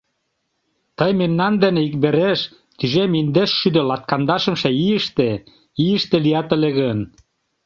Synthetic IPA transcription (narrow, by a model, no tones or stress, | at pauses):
t̪əjmemnɑnd̪ĕneikbeɾeʃ | t̪yʒemind̪eʃːyd̪ø̆lɑt̪kɑnd̪ɑʃə̆mʃeiəʃt̪e | iəʃt̪elijɑt̪eleɣən